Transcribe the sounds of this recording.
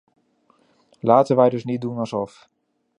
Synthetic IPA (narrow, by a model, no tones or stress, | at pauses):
laːtənʋɛjdɵsnit̚dunɑsɔf